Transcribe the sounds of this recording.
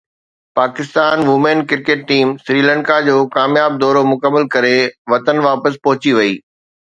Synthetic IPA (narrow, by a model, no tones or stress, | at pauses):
paːkɪst̪aːnʋʊmẽːnkɪɾkeːʈːiːmsɾiːlə̃ɳkad͡ʑoːkaːmjaːb̚d̪ɔːɾomʊkəmːəlkɐɾeʋɐt̪ənʋaːpəspɔɦʊt͡ɕiʋɐiː